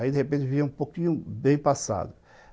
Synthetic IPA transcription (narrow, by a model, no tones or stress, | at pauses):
aid̪eɣepẽnt͡ʃɪviɐũpokĩɲʊbẽj̃pasa̰d̪ʊ